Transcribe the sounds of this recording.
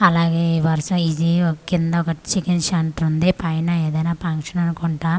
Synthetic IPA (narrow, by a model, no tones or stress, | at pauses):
ɐlaːɡeːʋɐɾsɐid͡ʒiɔkːind̪ɐɔkɐt͡ʃikinʃaːɳʈɐɾund̪ipɐjnaːeːd̪ɐjnaːpɐŋkʂɐnɐnukuɳʈaː